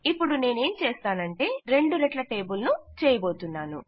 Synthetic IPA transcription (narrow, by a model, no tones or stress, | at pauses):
ipːuɽune̞ːne̞ːmt͡ʃeːst̪aːnɐɳʈe̞ːɾe̞ɳɖuɾɐʈlɐʈeːbulnut͡ʃɛːjɐbo̞ːt̪unːaːnṵ